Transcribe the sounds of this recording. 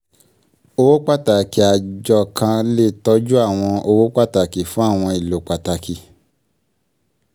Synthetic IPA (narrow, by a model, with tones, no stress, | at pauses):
o˧wo˦k͡pa˦ta˨ki˨a˨d͡ʒɔ˧˨kʰã˧le˦˨tɔ˨˧˦d͡ʒu˦a˦˨w̃ɔ̃˧o˧wo˦k͡pa˦ta˨ki˨fũ˦a˦˨w̃ɔ̃˧i˨lo˨k͡pa˨ta˨ki˨